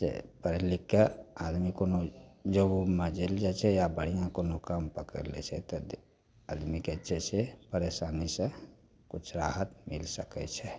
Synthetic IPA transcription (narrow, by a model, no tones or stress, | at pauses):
sḛpəɾlikːead̪mikonod͡ʒəbomed͡ʒeld͡ʒat͡ʃʰɛjabəɽ̤ijãkonokampəkə̰ɾlɛ̰t͡ʃʰɛt̪ɔ | ad̪miket͡ʃʰɛsepəɾesanisə̃ | kut͡ʃʰɾaɦət̪milsəkɛ̰t͡ʃʰɛ